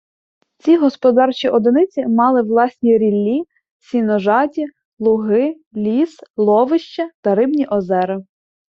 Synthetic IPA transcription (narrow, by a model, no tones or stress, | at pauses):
t͡sʲiɦɔspɔd̪ɑrt͡ʃiʔɔd̪ɪnɪt͡sʲimɑlˠɪʋlˠɑsʲnʲiɾʲilʲːi | sʲinɔʒɑtʲi | lˠʊɦɪ | lʲislˠɔʋɪʃt͡ʃɐt̪ɐɾɪbnʲiʔɔzɛɾɪ